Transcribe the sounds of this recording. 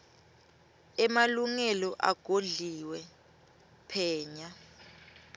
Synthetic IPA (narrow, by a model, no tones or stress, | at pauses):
ɛmaluŋɛlɔʔa̰ɡ̥ʱoɮiwɛ | pʰɛːɲa